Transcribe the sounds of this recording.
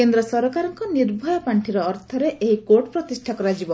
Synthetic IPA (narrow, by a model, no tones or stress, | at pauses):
kend̪ɾɔsɔɾɔkaɾɔŋkɔniɾbʱɔjɔpaɳʈʰiɾɔːɾt̪ʰɔɾeʔeɦikoɾʈpɾɔt̪isʈʰakɔɾad͡ʒibɔ